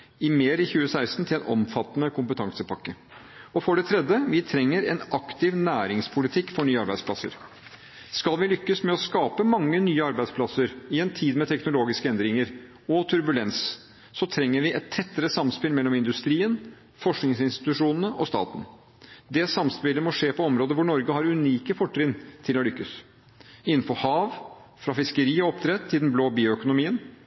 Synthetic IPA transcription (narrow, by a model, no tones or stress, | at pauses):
ɪmeːɾɪçʉːəsæɪst̪n̩t̪ɪlɛnʔɔ̰mfɑt̪ːnəkʰʊmpət̪ʰɑŋsəpʰɑkːə | ɔfɔɖɛt̪ʰɾɛd̪əʋɪt̪ʰɾɛŋːəɾɛ̰nɑkt̪ɪʋnæːɾɪŋspʰʊlɪt̪ʰɪkːfɔɳyːəɑɾbæɪd̪spʰlɑsə̰ɾ | skɑlʋɪlʏkːəsmɛɔskɑːpəmɑŋːənyːəɑɾbæɪspʰlɑsəɾɪɛnt̪ʰiːd̪mɛt̪ʰɛknʊloːɡɪskəɛnd̪ɾɪŋəɾ | ɔt̪ʰʉɾbʉlɛns | sɔt̪ʰɾɛŋːəɾʋɪʔɛt̪ʰːɛt̪ːəɾəsɑmspɪlmɛlːɔmɪnd̪ʉst̪ɾiːən | fɔʂknɪŋsɪnst̪ɪ̥t̪ʉʂuːnənəʔɔst̪ɑ̰ːt̪n̩ | d̪ɛsɑmspɪlːəmɔʂeːpʰɔɔmɾoːd̪əʋʊɳɔɾɡəɦɑɾʉniːkəfɔʈʰːɾɪnt̪ʰɪlɔlʏkːəs | ɪnn̩fɔɾhɑːʋ | fɾɑfɪskəɾiːɔɔpt̪ʰɾɛt̪ʰːɪd̪n̩bloːbiːʊœkʊnʊmiːən